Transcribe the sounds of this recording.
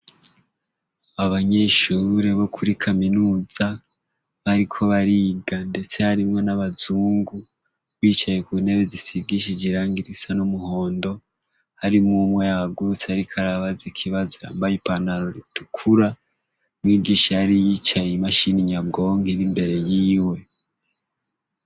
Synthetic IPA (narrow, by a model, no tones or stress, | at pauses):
aβaɲe̞ʃuɾe̞βo̞kʰuɾikʰaminuːz̥a | βaɾikʰo̞βaɾiɡande̞t͡se̞haɾimŋo̞naβazuːŋɡu | βiːt͡ʃaje̞kune̞βezisibɡiʃ̬id͡ʒiɾaːŋɡiɾisanomuho̞ːndo̞ | haɾimumwejaaɡuut͡sehaɾikʰaɾaβazikʰiβazoja̰ːmbajipanaɾo̞ɾitʰukʰuɾa | mwiːɡiːʃaaɾijit͡ʃajimaʃiniɲabɡo̞ːŋɡiɾimbe̞ɾe̞jiːwe̞